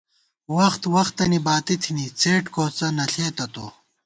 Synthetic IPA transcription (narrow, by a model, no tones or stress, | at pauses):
wɐxt̪wɐxt̪ːɐnibaːt̪it̪ʰinit͡sʰeːʈkoːt͡sɐnɐɬeːt̪ɐt̪o̰